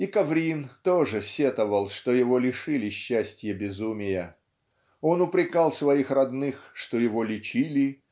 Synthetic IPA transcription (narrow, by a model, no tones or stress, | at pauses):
ikɐvɾʲint̪oʐɨsʲet̪əvəlˠʂt̪ojɪvo̞lʲɪʂɨlʲɪɕːæsʲtʲjəbʲɪzumʲɪjə | o̞nʊpɾʲɪkɑlˠsvɐixrɐd̪nɨxʂt̪ojɪvolʲɪt͡ɕilʲɪ